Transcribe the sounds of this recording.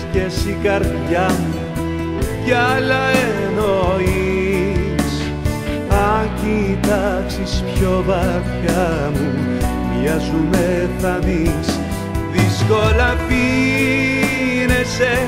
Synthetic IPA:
cesikɐɾðʝɐmu | cɐlɐenoi | s | ɐcit̪ɐksispçovɐçɐ | mu | vʝɐzumeθɐmis | ðisko̞lɐpi | nese

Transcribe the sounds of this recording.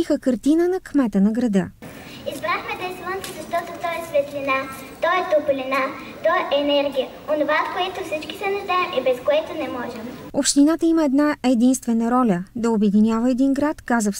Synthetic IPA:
ixəkəɾt̪inənɐkmɛt̪ənɐɡɾɐd̪ɤ | izbɾaxmɛd̪ɐjslˠant̪sizɐʃt̪ɔt̪ot̪ɔɛsvɛt̪lʲina | t̪ɔɛt̪oplʲina | t̪ɔɛʔɛnɛɾɡʲijə | onovaot̪koɛt̪ʊfsit͡ʃkisɛnɐʒd̪aɛmʔibɛskoɛt̪onɛmɔʒɛmopʃt̪inat̪əiməɛd̪naɛd̪inst̪vɛnəɾɔlʲəd̪ɐobɛd̪inʲavəɛd̪inɡɾat̪kazəf

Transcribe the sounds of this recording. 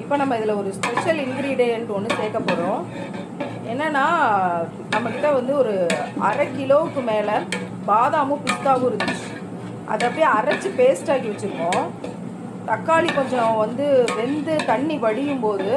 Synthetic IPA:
ɪpːoːnɐmːɐɪðɪlɐɔɾɯspɛʂɐlɪnɡɾiːɖeɛnɔnːɯseːkːɐpːoːɾõː | ɛnːɐnːaː | nɐmːɐkɪʈːɐʋɐnd̪ɯɔɾɯɐ̰ɾɐkːɪloːʋɯkːɯmeːlɐ | baːðaːmõpɪst̪aːɣɯɾɯnɯ | ʔɐ̰ðɐpːɐjiɐɾɐt͡ʃːɯpeːsʈaːɣiʋɐt͡ʃːɯɾɯkːõː | t̪ɐkːaːlikɔɲd͡ʒõʋɐnd̪ɯʋɛnd̪ɯt̪ɐɳːiʋɐɽɪjɯmpoːðɯ

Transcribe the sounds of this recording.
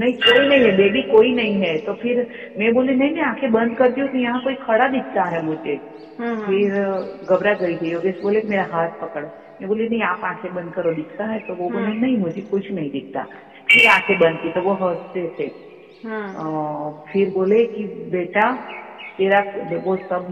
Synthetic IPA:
nɐɦĩkoːinɐɦĩɦɛbeːbikoːinɐɦĩɦɛt̪opʰɪɾ | mɛ̃boːlinɐɦĩmɛ̃aːkʰebɐ̃nd̪kɐɾt̪iõk̪ijɐɦãkoːikʰɐɽad̪ɪk̚ʰt̪aɦɛmʊd͡ʒʱe | fʰɪɾɡɐbɾaɡɐit̪ʰɛjoːɡesboːlekimeːɾaɦaːt̪̚pɐkəɽ | mɛ̃boːlinɐ̃ɦĩaːpãːkʰebɐ̃nd̪̚kəɾod̪ɪkʰt̪aɦɛt̪oʋommẽnɐɦĩmʊd͡ʒʱekʊt͡ʃʰnɐɦĩd̪ɪk̚ʰt̪a̰ː | pʰɪɾãːkʰebɐ̃nd̪̚t̪it̪oʋoɦɐːssesʰe | fʰɪɾboːlekibeːʈat̪eːɾaʋosɐb̚

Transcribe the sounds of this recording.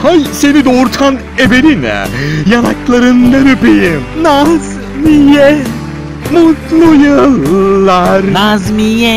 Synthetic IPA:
hajse̞nid̪oɾt̪ʰan | ebeɾin̰jana̰klˠaɾɯnd̪aɾɯpejimnaz | mijɛ | mut̪lˠujɯlˠːaɾnazmijɛ

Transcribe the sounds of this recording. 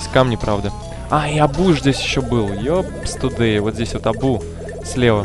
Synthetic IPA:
sʲkamnʲɪpɾavd̪ə | aɪɐbuʐzʲdʲesʲɪɕːobɨlˠjo | pst̪ʊd̪ɨɪvot̪zʲdʲesʲvot̪ɐbu | sʲlʲevə

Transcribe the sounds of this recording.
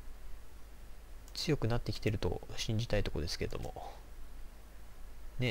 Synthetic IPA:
t͡sɨjo̞kɯ̟nat̪ːe̞kʲi̥t̪e̞ɾɯ̟t̪o̞̰ɕĩɲ̟d͡ʑit̪ait̪o̞ko̞d̪e̞sɨ̥ke̞ɾe̞d̪omo̞̰ | ne̞

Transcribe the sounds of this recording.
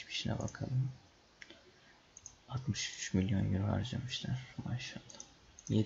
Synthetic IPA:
pʰi̥ʃinɛ̰ba̰kʰalˠɯm | at̪mɯʃyt͡ʃmilʲjo̞̰njyɾyɦa̰ɾd͡ʒamɯʃlæɾ̥maʃalˠːa | je

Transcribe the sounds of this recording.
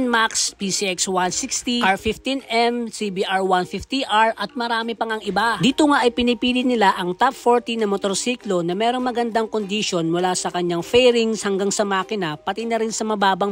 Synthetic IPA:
nmakspisiɛkswansikst̪iʔaɹfift̪inʔɛmsibiʔaɹwanfift̪iʔaɹʔɐt̪̚mɐɾaːmɪpɐŋɐŋʔɪbad̪iːt̪oŋaʔɐjpɪnɪpiːlɪnɪlaʔɐŋt̪ap̚foɹt̪inɐmot̪oɾsiklo̞nɐmɛːɾo̞ŋmɐɡɐnd̪aŋkond̪iʃo̞nmʊlasɐkɐɲaŋfɛjɾɪŋshɐŋɡaŋsɐmaːkɪnɐpɐt̪inɐɾɪnsɐmɐbaːbɐ

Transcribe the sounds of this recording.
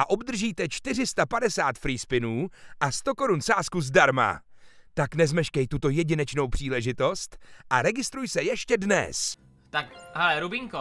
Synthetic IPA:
ʔaʔo̞bd̪r̩ʒiːt̪ɛt͡ʃt̪ɪr̝ɪst̪apadɛsaːt̪fɾiːspɪnuːʔast̪o̞ko̞ɾunsaːskuzdaɾma̰ | t̪aknɛzmɛʃkɛjt̪ut̪o̞jɛɟɪnɛt͡ʃno̞wpr̥iːlɛʒɪt̪o̞st̪ʔaɾɛɡɪst̪ɾujsɛjɛʃcɛdnɛ̰s | t̪akhɛlɛɾubiŋko

